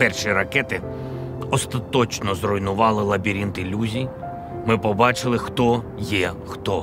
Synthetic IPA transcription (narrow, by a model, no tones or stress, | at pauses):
pɛrʃijiɾɐkɛt̪ɪ | ɔst̪ɐt̪ɔt͡ʃnɔzrɔjnʊʋɑlˠɪlˠɐbʲiɾʲint̪ɪlʲuzʲiji | mɪpɔbɑt͡ʃɪlˠɪxt̪ɔ | jɛ | xt̪ɔ